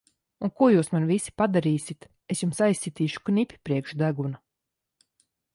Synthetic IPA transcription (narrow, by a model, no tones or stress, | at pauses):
unkuɔjuːsmanvisi̥pad̪aɾiːsit̪ | esjumsajsːʲit̪iːʃu̥knʲipʲi̥pɾiɛkʃd̪aɡuna